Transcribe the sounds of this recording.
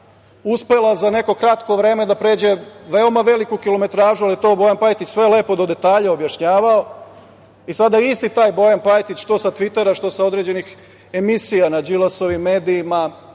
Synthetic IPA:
uspe̞lazane̞ko̞kɾat̪ko̞ʋɾe̞ːme̞d̪apɾe̞ːd͡ʑe̞ʋe̞omaʋe̞likukilo̞me̞t̪ɾaːʒualjet̪o̞ːbo̞jampajt̪it͡ʃsʋe̞le̞ːpo̞d̪o̞d̪e̞t̪aːʎao̞bjaʃɲaːʋao̞ | isad̪aist̪it̪aːjbo̞janpajt̪it͡ʃʃt̪o̞sat̪ʋit̪e̞ɾaʃt̪o̞sao̞d̪ɾe̞ːd͡ʑe̞nix | e̞misijanad͡ʒilˠaso̞ʋimːe̞ːd̪iːma

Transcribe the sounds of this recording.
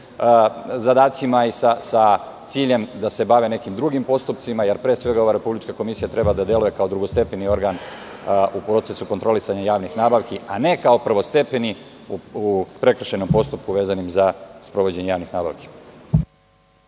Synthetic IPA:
zad̪aːt̪simaisasa | t̪siːʎe̞md̪ase̞baʋene̞kimd̪ɾuɡimpo̞st̪up̚t̪simajeɾpɾesʋe̞ɡao̞ʋaɾe̞publit͡ʃkako̞misijat̪ɾe̞bad̪ad̪je̞luje̞kao̞d̪ɾuɡo̞st̪e̞penio̞ɾɡan | upɾo̞t̪sesukont̪ɾo̞lisaɲajaːʋnixnaːbaʋkiane̞kao̞pr̩ʋo̞st̪e̞pe̞ni | upɾe̞kr̩ʃeno̞mpo̞st̪up̚kuʋe̞ːzanimzaspɾo̞ʋo̞d͡ʑe̞ɲejaːʋnixnaːba̰ʋki̥

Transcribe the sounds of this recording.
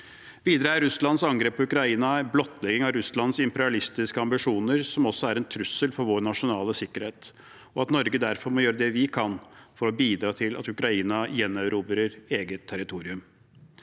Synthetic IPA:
ʋiːd̪əɾəæɾʉslɑnsɑŋɡɾeːpʰːɔʉkɾɑiːnɑblɔt̪ːlɛɡɪŋɑʋɾʉslɑnsɪmpɛɾɪɑlɪst̪ɪskəɑmbɪʂuːnəɾsɔmɔsːɔæɾɛnt̪ʰɾʉsːəlfɔɾʋoːɾɳɑʂʊnɑːləsɪkːəɾheːt̪ | ɔɑt̪nɔɾɡəd̪æɾfɔɾmɔjøːɾəd̪ɛʋɪkʰɑnfɔɾɔbiːd̪ɾɑːt̪ʰɪlʔɑ̰t̪ʉkɾɑiːnɑjɛnːɑʉɾuːbəɾəɾeːɡət̪ʰːæɾɪt̪ʰuːɾɪʉm

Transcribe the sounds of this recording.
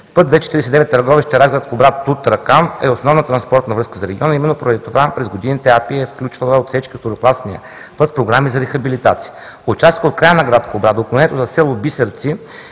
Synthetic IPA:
pɤt̪vɛt͡ʃɛ̥t̪ɾiɛsɛd̪ɛvɛt̪ːɐɾɡɔviʃt̪əɾazɡɾat̪̚kobɾat̪ːut̪ɾɐkanɛosnɔvnət̪ɾɐnspɔɾt̪nɐvɾɤskəzɐɾɛɡʲiɔnɐimɛnːopoɾəd̪it̪ovapɾɛzɡod̪init̪ɛapiɛfklʲut͡ʃvəlˠəot̪fsɛt͡ʃkist̪oɾoklˠasnijə̰ | pɤt̪spɾoɡɾamizɐɾɛxɐbilit̪at̪si̥ə | ot͡ʃast̪ikəot̪̚kɾajənɐɡɾat̪koːbɾad̪əoːplonɛnɛt̪oʊzɐsɛlˠobisəɾt̪si

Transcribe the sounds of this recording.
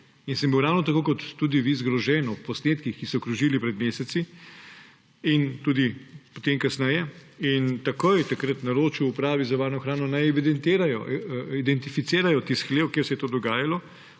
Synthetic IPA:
insəmbiwɾawnɔt̪akoːkɔt̪ːuːd̪iʋizɡɾɔʒɛnɔppɔsneːt̪kixkisɔkɾuʒilipɾɛd̪meːsɛt̪si | int̪uːd̪ipot̪emkasnɛjɛint̪ɐkoːjt̪akɾət̪naɾoːt͡ʃiwupɾaːʋizaʋaːɾnɔxɾaːnɔnajɛʋid̪ɛnt̪eːɾajɔʔid̪ɛnt̪ifit̪seːɾajɔt̪isxleːwkeɾsɛjɛt̪oːd̪ɔɡaːjalɔ

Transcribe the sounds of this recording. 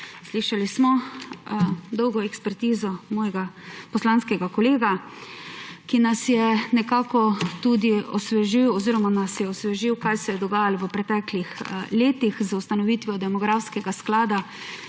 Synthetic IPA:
sliʃalismɔ | d̪ɔwɡɔɛkspɛɾt̪iːzɔmɔːjɛɡapɔslanskɛɡakɔleːɡa | kinasjɛnɛkaːkɔt̪ud̪iɔsʋɛʒiwɔziːɾɔmanasjɛɔsʋɛʒiwkajsɛjɛd̪ɔɡaːjalʋəpɾɛt̪ɛklixleːt̪ixzaust̪anɔʋiːt̪ʋɔd̪ɛmɔɡɾawskɛɡasklaːd̪a

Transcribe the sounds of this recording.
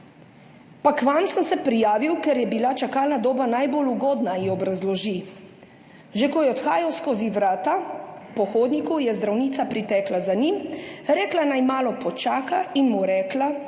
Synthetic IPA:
pakʋansəmsɛpɾijaːʋiwkɛɾjɛbilat͡ʃakaːlnad̪oːbanajboluɡoːd̪naiɔbɾazlɔʒi | ʒɛkɔjɛɔt̪xaːjawskoːziʋɾaːt̪apɔxoːd̪nikujɛzd̪ɾawniːt̪sapɾit̪ɛːklazanimɾɛːklanajmaːlɔpɔt͡ʃaːkainmuɾɛːkla

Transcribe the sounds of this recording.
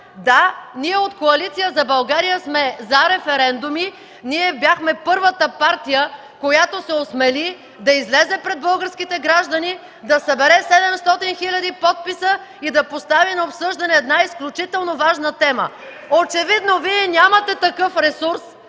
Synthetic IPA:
d̪aniɛot̪koɐlit̪sijəzɐbɐlˠɡaɾijəsmɛzɐɾɛfɛɾɛnd̪umi | niɛbʲjaxmɛpɤɾvət̪əpaɾt̪ijə | kojat̪osɛosmɛli | d̪ɐizlɛzɛpɾɛd̪̚bɤlˠɡəɾsk̟it̪ɛɡɾaʒd̪ɐni | d̪ɐsɐbɛɾɛsɛd̪ɛmst̪ɔt̪inxilʲɐd̪ipɔt̪̚pisə | id̪ɐpost̪avinɐopsɤʒd̪ɐnɛːd̪naisklʲut͡ʃit̪ɛlˠnovaʒnət̪ɛmə̰ | ot͡ʃɛvid̪noviɛnʲamɐt̪ɛt̪ɐkɤfɾɛsuɾs

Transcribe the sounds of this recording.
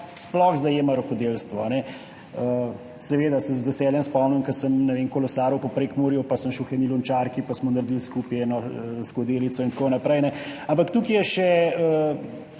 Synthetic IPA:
splɔxzajeːmaɾoxɔd̪elst̪ʋɔ̰anɛ | ə | sɛʋeːd̪asɛzʋɛsɛːljɛmspɔmnimkəsəmnɛʋenkɔlɔsaːɾupɔpɾekmoɾjupasəmʃɛuxɛnilunt͡ʃaɾkipasmɔnaɾd̪ilskupjɛɛnɔskɔd̪eːlit̪sɔint̪konɐpɾɛjnɛampakt̪ukijɛʃɛə

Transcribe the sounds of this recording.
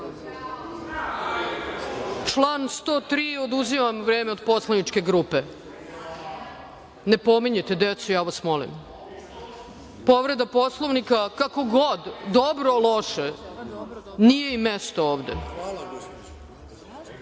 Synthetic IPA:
t͡ʃlˠaːnst̪oːt̪ɾiːod̪uzimamʋɾeːmeo̞d̪po̞slˠanit͡ʃkeɡɾuːpe | nepo̞miɲet̪ed̪et̪sujaːʋasmolḭm | poʋɾed̪aposlˠoʋnikakako̞ɡod̪ːobɾolˠoʃe | nijeimest̪ooːʋd̪ḛ

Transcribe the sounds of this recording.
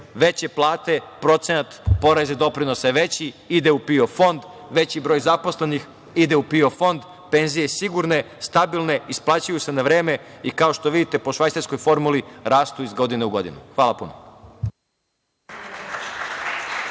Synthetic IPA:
ʋe̞t͡ɕeplˠaːt̪e̞pɾo̞t̪se̞nat̪po̞ɾazed̪o̞pɾino̞saʋe̞t͡ɕiid̪eupio̞fo̞nd̪ | ʋe̞t͡ɕibɾojzapo̞sle̞nix | id̪e̞upio̞fo̞nd̪ | pe̞ːnzije̞siɡuɾne̞ | st̪abilne̞isplˠaːt͡ɕujuse̞naʋɾe̞ːme̞ikao̞ʃt̪o̞ʋid̪it̪e̞po̞ʃʋajseɾsko̞jfo̞ɾmuliɾaːst̪uizɡo̞d̪ineuɡo̞̰d̪ḭnuxʋaːlˠapṵno

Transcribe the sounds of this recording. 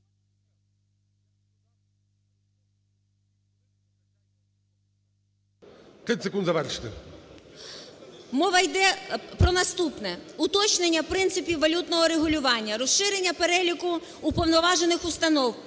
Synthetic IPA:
kʲilʲt̪ʲsekund̪zɐʋɛrʂɪ̥t̪e | mɔʋɐjd̪ɛpɾɔnɐst̪upnɛʊt̪ɔt͡ʃnenʲːɐpɾɪnt̪sɪpʲiwːɐlʲut̪nɔɦɔɾeɦʊlʲʊʋɑnʲːɐɾɔsʃɪɾenʲːɐpeɾɛlʲikʊː | pɔwnɔʋɑʒenɪxʊst̪ɐnɔw

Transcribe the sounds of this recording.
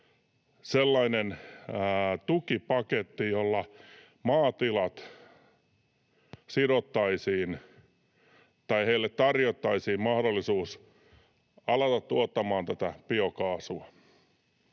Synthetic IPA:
selːɑinen | t̪ukipɑket̪ːijolːɑ | mɑːt̪ilɑt̪ | siɾot̪ːɑisiːn | t̪ɑiheilːet̪t̪ɑrjot̪ːɑisiːmmɑhdolːisuːs | ɑlɑt̪ɑt̪tuot̪ːɑmɑːnt̪æt̪æpiokɑːsuɑ

